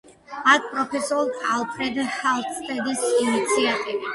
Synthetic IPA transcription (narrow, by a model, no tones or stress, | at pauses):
ak̚ʰpʼɾɔpʰɛsɔlˠd̪alˠpʰɾɛd̪hɛlˠt̪ʰst̪ʼɛd̪isinit̪sʰiat̪ʼivi